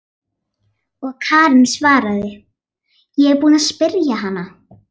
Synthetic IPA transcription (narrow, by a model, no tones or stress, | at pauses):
ɔɣkʰaːɾɪnsvaːɾaðɪ | jɛɛɣpuːnaðspɪɾjaɦanːa